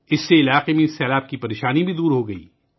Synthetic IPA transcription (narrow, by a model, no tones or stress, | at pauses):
ɪsːeɪlaːqemẽɪsːɛːlaːb̚kipɐɾeːʃaːnibʱid̪uːɾɦoɡɐḭː